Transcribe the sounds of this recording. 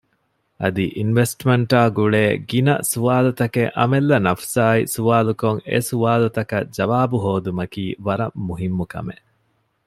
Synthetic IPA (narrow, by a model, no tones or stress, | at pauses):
ʔɐd̪iʔinʋesʈmeɳʈaːɡuɭeːɡinɐ̰suʋaːlut̪ɐkeʔɐ̰melːɐnɐfsaːisuʋaːlukoŋḛsuʋaːlut̪ɐkɐ̰d͡ʒɐʋaːbuɦoːd̪umɐkiːʋɐɾɐmːuɦimːukɐ̰meʔ